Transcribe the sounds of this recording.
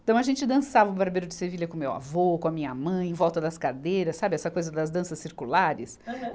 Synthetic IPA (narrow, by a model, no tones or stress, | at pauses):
t̪ɐ̃w̃ɐʒẽnt͡ʃɪd̪ɐ̃savɐʊbaɾbejɾʊd͡ʒɪseviʎɐkõmewa̰vokõɐmĩɲɐmɐ̃j̃ẽj̃vɔwt̪ɐd̪ɐskad̪eɾɐssabɪɛsɐkojzɐd̪ɐzd̪ɐ̃sɐsːiɾkulaɾɪs